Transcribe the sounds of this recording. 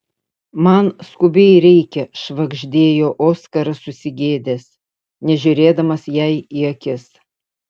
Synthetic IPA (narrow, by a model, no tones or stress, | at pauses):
mɐnskʊbʲɛɪɾʲɛɪkʲɛʃʋɐɡʒʲd̪ʲeːjoːʔoːskɐɾɐsʊsʲɪɡʲeːd̪ʲeːs | nʲɛʒʲʊɾʲeːd̪ɐmɐsjɛɪiɐkʲɪs